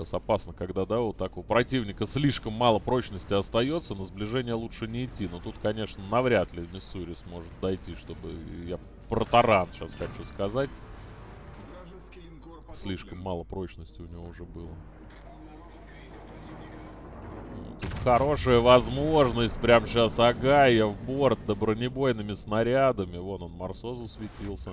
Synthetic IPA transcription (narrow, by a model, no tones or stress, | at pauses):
asɐpasnəkɐɡd̪ad̪aot̪ːɐkopɾɐtʲivnʲɪkəsʲlʲiʂkəmːalˠəpɾo̞t͡ɕnəsʲtʲɪɐst̪ɐjo̞t̪sənəzblʲɪʐɛnʲɪjəlˠutʂɨnʲɪɪtʲːinot̪ut̪kɐnʲe̞ʂnənɐvɾʲat̪lʲɪmʲɪsuɾʲɪsmo̞ʐɨt̪̚d̪ɐjtʲiʂt̪o̞bɨ̰ja | pɾət̪ɐɾanɕasxɐt͡ɕuskɐzatʲ | sʲlʲiʂkəmːalˠəpɾo̞t͡ɕnəsʲtʲɪʊnʲɪvoʊʐɛbɨlˠə | ṵt̪ut̪xɐɾo̞ʂəjəvɐzmo̞ʐnəsʲtʲpɾʲamɕasɐɡajəvbo̞rt̪̚d̪əbɾənʲɪbo̞jnɨmʲɪsnɐɾʲad̪əmʲɪvo̞t̪onmɐrso̞zəsvʲɪtʲilˠsʲə